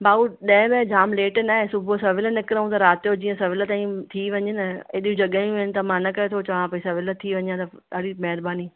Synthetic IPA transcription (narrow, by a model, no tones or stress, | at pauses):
baːuɗɐ̃ɦɪ̃bẽd͡ʑaːmleːʈnaːɦesʊbʱosɐʋɪlnɪkɪɾəũt̪ɐɾaːt̪jod͡ʑĩːə̃sɐʋɪlət̪aːĩt̪ʰiʋɐɲɪnəeɗũd͡ʑɐɠaĩũɪnɪ̆t̪ɐmaːnəkɐet̪ʰot͡ɕɐʋãpɐisɐʋɪlət̪ʰiʋɐ̃ɲjãt̪ɐ | ɗaːɽimɛɦɪɾbaːni